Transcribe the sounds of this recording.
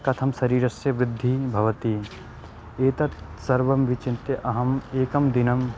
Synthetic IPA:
kɐt̪ʰɐmsɐɾiːɾɐsjɐʋɾɪd̪ʱːibʱɐʋɐt̪i | eːt̪ɐt̪ | sɐɾʋɐmʋit͡ʃɪnt̪jɐʔɐɦɐmeːkɐmd̪ɪnɐm

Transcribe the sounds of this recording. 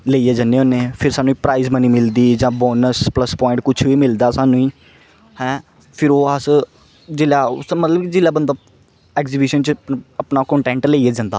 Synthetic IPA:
leːeːd͡ʒanːeːonːeːpʰɪɾsaːnũːiːpɾaːiːzməniːmɪld̪iːd͡ʒãːbɔːnəspləspɔːɪ̃ɳʈkʊt͡ʃʰʋiːmɪld̪aːsaːnũːiː | hɛ̃ː | pʰɪɾoːəs | d͡ʒɪlaːʊ̰smət̪ləbkid͡ʒɪlaːbənd̪aː | ɛːkziːbɪʃənt͡ʃəəpnaːkɔ̃ːɳʈɛ̃ːɳʈleːieːd͡ʒãːnd̪aː

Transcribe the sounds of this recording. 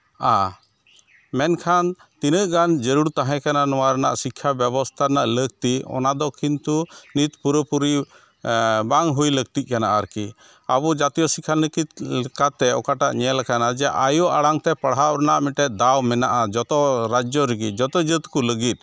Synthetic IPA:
a | mɛnkʰan | t̪inəʔɡand͡ʒəɾuɽt̪aɦɛ̃kananɔwaɾɛna̰ʔsikʰːjabɛbɔst̪ʰaɾnaʔlək̚t̪iɔ̰nad̪ɔkʰint̪unit̪puɾəpuɾi | baŋɦujlək̚t̪ic̪̚kanaʔaɾki | a̰bɔd͡ʒat̪ijɔsikʰanəkit̪lɛkat̪ɛɔkaʈaʔɲɛɛlakanad͡ʒɛʔajɔʔaɽaŋt̪ɛpəɽɦaʔɾɛnaʔmiʈɛʔ̪̚d̪awmɛnaʔad͡ʒɔt̪ɔɾad͡ʒɔɾəɡid͡ʒɔt̪ɔd͡ʒət̪kuləɡit̪̚ˀ

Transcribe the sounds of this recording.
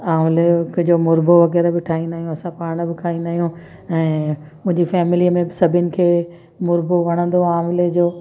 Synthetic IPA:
aːmlekd͡ʑoːmʊɾboʋɐɣɛːɾbɪʈʰaːĩnd̪aːɦijũɐsãpaːɾɽ̃̆bɪkʰaːĩnd̪aːɦijũ | ɛ̃ː | mʊ̃ɦɪ̃ɲd͡ʑifɛːmɪliəmẽbɪsɐbʱɪnɪ̆kʰeː | mʊɾboʋɐɽ̃ə̃nd̪oaːmled͡ʑoː

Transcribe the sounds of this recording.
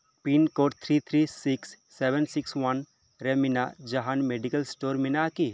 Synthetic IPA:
pinkoːʈt̪ʰɾit̪ʰɾisiksːebensikswɐn | ɾeminad͡ʒaɦanmeɖikɐlsʈoːɾminaki

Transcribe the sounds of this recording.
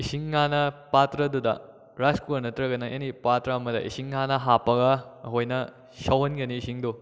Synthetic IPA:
isiŋːanɐpatɾɐdudɐ̰ | ɾaskuɐɾnɐtɾɐɡɐnɐʔenipatɾɐɐmɐdɐ̰ʔḭsiŋːanɐɦapɐɡɐɦojnɐ | sɐwɐnɡɐniːsiŋdu

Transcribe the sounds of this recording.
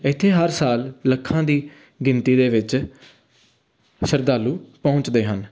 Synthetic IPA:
ɪt̪ʰːeːɦəɾsaːlːəkʰːãːd̪iː | ɡɪnt̪iːd̪eːʋɪt͡ʃ | səɾd̪aːlːuːpɔʊ̃t͡ʃd̪eːɦən

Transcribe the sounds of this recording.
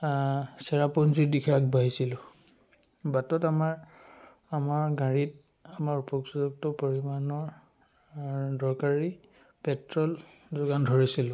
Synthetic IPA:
sɛɹapɔnzidikʰak̚baɦisilʊ̃ | batɔtamaɹ | amaɹɡaɹit̚ | amaɹupɔksɔzɔk̚tɔpɔɹimanɔɹ | dɔɹkaɹi | pɛtɹɔl | zʊɡandʱɔɹisilʊ̃

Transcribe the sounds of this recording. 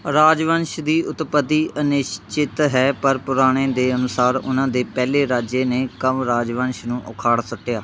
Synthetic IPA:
ɾaːd͡ʒʋənʃd̪iːʊt̪pət̪iːənɪʃt͡ʃɪt̪ɦɛːpəɾpʊɾaːɽ̃ẽːd̪eːənʊsaːɾʊ̰nãːd̪eːpɛːleːɾaːd͡ʒeːneːkəmɾaːd͡ʒʋənʃnũːʔʊ̰kʰaːɽsəʈːejaː

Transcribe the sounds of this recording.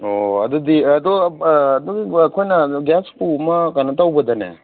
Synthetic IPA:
oɐ̰d̪ɔd̪iɐd̪ɔd̪ɔɡikʰojnɐɡaspumɐkanɐtawbɐd̪ɐnḛ

